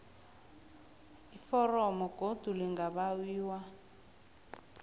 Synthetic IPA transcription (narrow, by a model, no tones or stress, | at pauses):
ifɔrɔmɔɡ̥ʱod̥ʱuliŋɡaβawiːwa